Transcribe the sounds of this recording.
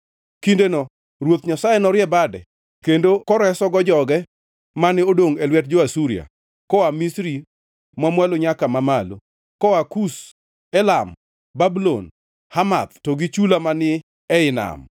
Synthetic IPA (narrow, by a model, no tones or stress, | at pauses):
kindenɔ | rwot̪ɲasajɛnɔɾjɛbadɛ̰ | kendokɔɾɛsɔɡɔd͡ʒɔɡɛ | manɪodoŋɛlwɛt̚d͡ʒoasuɾia̰ | kɔamisɾi | mamwaloɲakamamalo̰ | kɔakus | ɛlam | babulon | hama̰t̪̚tɔɡit͡ʃulamanɪ | ɛɪna̰m